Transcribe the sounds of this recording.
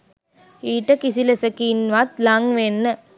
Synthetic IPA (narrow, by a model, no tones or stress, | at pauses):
iːʈːɐkisilɐsɐkiːnʋaːt̪laːŋʋeːnːɐ